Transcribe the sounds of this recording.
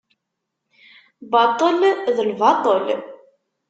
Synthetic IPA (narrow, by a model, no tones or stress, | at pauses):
bɑt̪ˤːəlðəlvɑt̪ˤol